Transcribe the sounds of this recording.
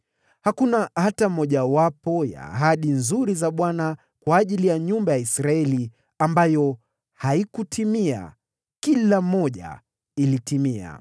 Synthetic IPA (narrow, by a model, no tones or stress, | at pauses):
hakunaatam̩ɔʄawapɔja̰ːɦaɗinzuɾizaɓwana | kwaːʄilijaɲumbajaisɾaɛli | ambajɔ | haikutʰimia̰ | kilam̩ɔʄa̰ | ilitimia̰